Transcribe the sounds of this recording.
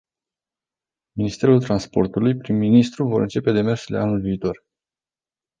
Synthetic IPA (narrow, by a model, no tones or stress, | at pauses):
minist̪e̞ɾult̪ɾanspo̞̰rt̪ulujpɾimːinist̪ɾuvo̞ɾɨnt͡ʃe̞pe̞d̪e̞me̞rslḛanulviːt̪o̞r